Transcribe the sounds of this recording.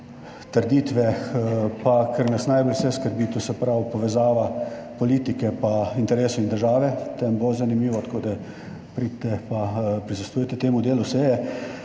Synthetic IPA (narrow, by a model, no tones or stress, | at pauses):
t̪əɾd̪iːt̪ʋɛ | pakʰəɾnɐsnajbɔlsɛskəɾbiːt̪usɛpɾawpɔʋɛzaːʋapɔliːt̪ikɛpaint̪ɛɾeːsɔind̪əɾʒaːʋɛt̪ɛmbozanimiːʋɔt̪koːd̪a | pɾit̪ɛpapɾisɐst̪uːjɛt̪ɛt̪eːmud̪eːlusɛjɛ